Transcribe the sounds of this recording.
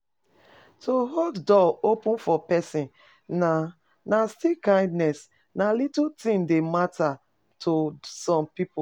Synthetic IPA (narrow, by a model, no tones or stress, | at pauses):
tʰoɦoddɔopũnfɔpɛsĩn | na | nastikãɪ̃ndnɛs | nalitutĩŋdematʰa | tʰosɔ̃mpipu